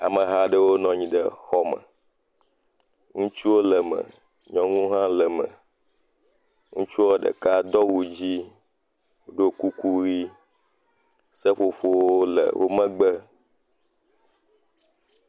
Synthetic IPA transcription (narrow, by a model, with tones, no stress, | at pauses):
a̰˨mə̃˨ɦa˦ɖə˦wo˦nɔ̃˨ɲĩ˨ɖə˦xɔ˦mə̰̃˨ | ŋũ˦t͡ʃu˦wo˦lə˨mə̰̃˨ | ɲɔ̃˦ŋũ˦ɦã˦lə˨mə̰̃˨ | ŋũ˦t͡ʃu˦wo˦ɖə̰˨ka˦d̪ɔ˦wu˨d͡ʑi˦˨ | ɖo˦ku˦ku˦ɣi˦ | sə˦ɸo˨ɸo˦wo˦lə̰˨wʔo̰˦mə̃˦ɡ͡bə˦